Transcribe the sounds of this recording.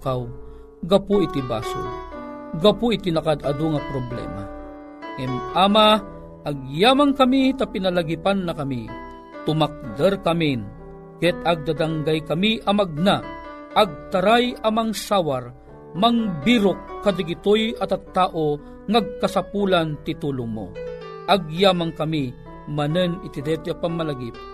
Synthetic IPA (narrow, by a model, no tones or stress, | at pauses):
kaw | ɡɐpuit̪iba̰so̰ | ɡɐpuɪt̪inakad̪ad̪oŋɐpɾoblɛ̰ma̰ | ɛmʔaːma | ʔːɡ̚jaːmankɐmit̪apinalaɡipanːɐkɐmḭ | t̪ʊmak̚d̪əɾkamin | kɛt̪̚ɐɡ̚d̪ad̪aŋɡajkɐmiʔɐmaɡ̚na | ʔːɡ̚t̪aɾajɐmaŋsaːwar | maŋbiɾʊkːad̪aɡɪt̪ojɐt̪at̪ːaːʔo | ŋaɡ̚kɐsapulant̪it̪uːlʊŋmo̰ʔaɡjaːmaŋkɐmi | mɐnənɪt̪ɪd̪ɛt̪ɪapamːalaɡip̚